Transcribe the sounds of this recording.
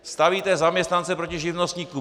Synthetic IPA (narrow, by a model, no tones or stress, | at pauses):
st̪aviːt̪ɛzamɲɛst̪nant͡sɛpɾo̞cɪʒɪvnost̪ɲiːku